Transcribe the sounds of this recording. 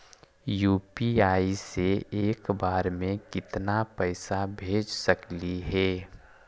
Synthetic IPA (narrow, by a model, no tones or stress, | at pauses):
juːpiaːiseeːkbaːɾmẽkɪt̪napəɪsabʱeːd͡ʒsəkliɦɛː